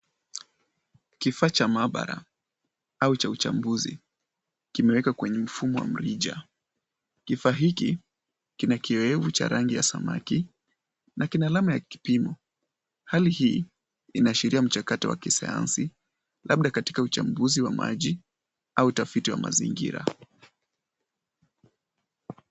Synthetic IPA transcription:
kifaːt͡ʃamaɓa̰ɾa̰ | aut͡ʃaut͡ʃa̰mbuzḭ | kimɛwɛkakwɛɲɛm̩fumɔwa̰m̩ɾiʄa̰ | kifaːɦiki | kinakiɛɛvut͡ʃa̰ɾaŋɡija̰sama̰ki | nakinaːlamajaki̥pimɔ | halihiː | inaʃiɾiam̩t͡ʃakatɔwa̰kisa̰ja̰nsi | lʔaɓ̚ɗakati̥kaut͡ʃambuziwama̰ʄi | autafitiwa̰ma̰zḭŋɡḭɾa̰

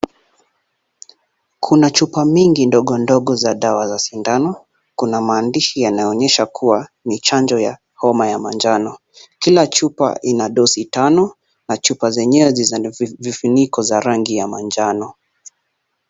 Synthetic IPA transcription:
kʰunat͡ʃupamiŋɡindɔɠɔndɔɠɔzaɗawazasindanɔ | kunamaːndiʃijanajɔɔɲɛʃakʰuwa | nit͡ʃand͡ʒɔja | hɔmajamand͡ʒanɔ | kilat͡ʃupa̰ʔinaɗɔsitanɔ | nat͡ʃupazɛɲɛɛzivifinikɔzaɾaŋɡijamand͡ʒanɔ

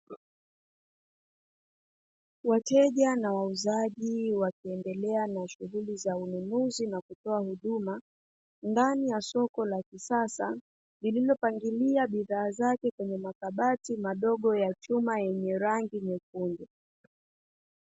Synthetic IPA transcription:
watɛʄanawauzaʄiwakiɛndɛlɛanaʃuɣulizaununuzinakutɔahuɗuma | ndanijasɔkɔlakisasa | lililɔpaŋɡiliaɓiðaːzakɛkwɛɲɛmakaɓatimaɗɔɠɔjat͡ʃumajɛɲɛɾaŋɡiɲɛkundɛ

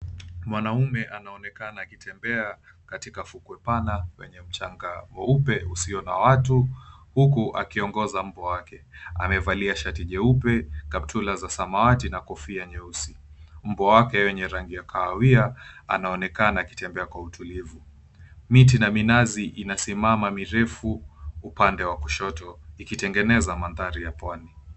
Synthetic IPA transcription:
mwanaumɛʔanaɔnɛkanaːkitʰɛmbɛa | katikafukwɛpanawɛ̰ɲɛm̩t͡ʃaŋɡamɔupɛusiɔnawatuhukuʔa̰kiɔŋɡɔzam̩bɔwakɛa̰mɛvaliaʃatiʄɛupɛkam̚tʰulazasamawatinakɔfiaɲɛusim̩bɔwakɛwɛɲɛɾaŋɡijakʰaawiaa̰naɔnɛkanaːki̥tɛmbɛakwautulivu | mitinaminaziʔinasimamamiɾɛfuːpandɛwakuʃɔtɔikitɛŋɡɛnɛzamandaɾijapwani

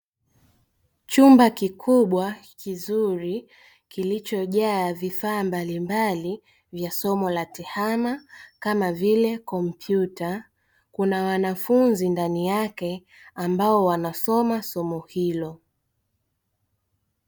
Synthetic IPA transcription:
t͡ʃumbakikʰuɓwakizuɾi | kilit͡ʃɔʄaavifaːmbalimbali | vjasɔmɔlatɛhamakamavilɛkɔmpʰjuta | kunawanafunzindanijakɛ | ambaɔwanasɔmasɔmɔhilɔ

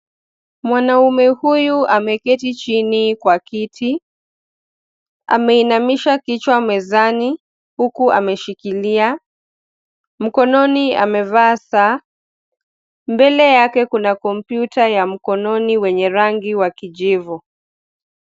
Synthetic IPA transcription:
mwanaumɛhujuʔamɛkɛtit͡ʃinikwakitʰi | a̰mɛinamiʃakit͡ʃwamɛzani | hukuʔa̰mɛʃikilia | m̩kɔnɔnia̰mɛvaːsa | mbɛlɛjakɛkunakɔm̩pjutajam̩kɔnɔniwɛɲɛɾaŋɡiwakiʄivɔ

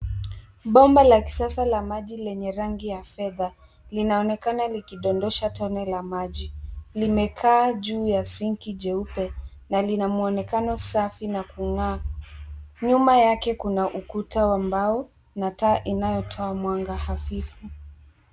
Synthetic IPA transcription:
ɓɔmbalaki̥sasalamaʄilɛɲɛɾaŋɡijafɛða | linaɔnɛkanalikiɗɔndɔʃatɔnɛlamaʄilimɛkʰaːʄuːjasiŋkiʄɛupɛnalinamuɔnɛkanɔsafinakuŋaː | ɲumajakɛkunaʔukutawambau | nataːʔinajɔtʰɔamwaŋɡahafifu

